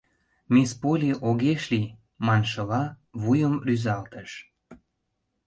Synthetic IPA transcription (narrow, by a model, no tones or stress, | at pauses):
mespolʲiʔoɣeʃli | mɑnʃɤ̆lɑ | βujəmryzɑlt̪əʃ